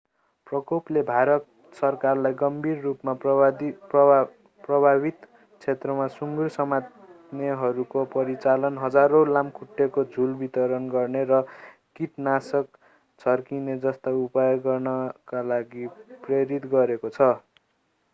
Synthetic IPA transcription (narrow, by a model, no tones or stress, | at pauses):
prʌkoplebʱaɾʌt̪̚ | sʌrkarlajɡʌmbʱirːupma | p | prʌbʱabit̪ | t͡sʰet̪rʌmasuŋɡursʌmat̪ | neɦʌɾukopʌɾit͡salʌnɦʌd͡zaɾolamkʰuʈːekod͡zʱulbit̪ʌɾʌnɡʌrneɾʌkiʈnasʌk | t͡sʰʌrkined͡zʌst̪aupajoɡʌrnʌkalaɡipreɾit̪ɡʌɾekot͡sʰʌ